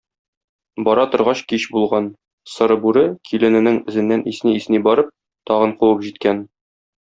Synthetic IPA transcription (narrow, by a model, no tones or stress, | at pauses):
bɒɾɑt̪ŏɾʁɑɕkiɕbulˠʁɑn | sɤ̆ɾɤbʉɾɘkʰilɘ̆nɘ̆nɘŋɘ̆zɘ̆nːænʔisniːsnibɒɾɤp̚ | t̪ɒʁɤ̆ɴquwɤpʑit̪̚kæn